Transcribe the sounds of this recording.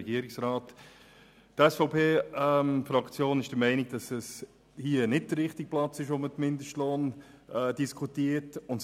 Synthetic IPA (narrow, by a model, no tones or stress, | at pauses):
ɛɡiəɾɪksɾɑːt | tɛsfɔʊpʰeːɛmfɾɑkt͡sjoːnɪʃd̥əmɛɪnɪɡ̚d̥ɑsɛs | hiənɪd̚d̥əɾɾɪχtik̚plɑt͡sɪʃʋomətmɪndəʃtloːn | ɛd̥iskʰutiətʊnt